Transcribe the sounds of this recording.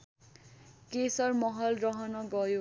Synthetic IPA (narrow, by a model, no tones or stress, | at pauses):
kesʌrmʌɦʌlrʌɦʌnʌɡʌjo